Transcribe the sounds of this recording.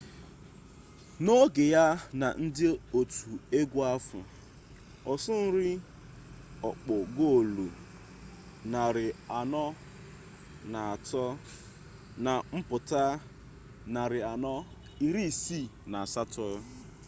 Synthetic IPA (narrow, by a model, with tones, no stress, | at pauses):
no˦ɡɪ˨ja˦na̰˨n̩˦dɪ˦o˨tu˨e˦ɡʷu˦a˦fʊ̰˨ | ɔ˨sʊ˦n̩˦ɾɪ˦ | ɔ˨k͡pɔ˨ɡo˦˨lo˨ | na˨ɾɪ˨a˨nɔ˦ | na˨a˨tɔ˦ | na˨m̩˦pʊ˨ta˦ | na˨ɾɪ˨a˨nɔ˦ | i˨ɾi˦˨si˦˨na˨a˨sa˦tɔ˦